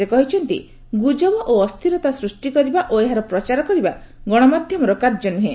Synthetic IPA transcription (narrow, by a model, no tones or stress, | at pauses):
ekɔɦit͡ʃʰɔnt̪ḭ | ɡud͡ʒɔbɔʔoɔst̪ʰiɾɔt̪asɾusʈikɔɾibaʔoeɦaɾɔpɾɔt͡ʃaɾɔkɔɾiba | ɡɔɽ̃ɔmad̪ʱjɔmɔɾɔkaɾd͡ʒɔnuɦe